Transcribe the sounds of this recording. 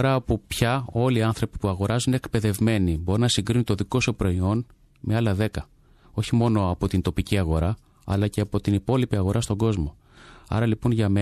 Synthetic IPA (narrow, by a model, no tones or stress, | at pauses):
ɾɐːpupçɐo̞liɐnθɾo̞pi̥puɐɣo̞ɾɐzuneekpe̞ðe̞vme̞nibo̞ɾinɐsiŋɡɾinunt̪o̞ðiko̞sopɾo̞io̞n | meɐlɐðe̞kɐ | o̞çimo̞no̞ɐpo̞t̪int̪o̞piciɐɣo̞ɾɐ | ɐ̰lɐceɐpo̞t̪inipo̞lipiɐɣo̞ɾʔɐst̪o̞ŋɡo̞zmo̞ | ɐ̰ɾɐlipunʝɐme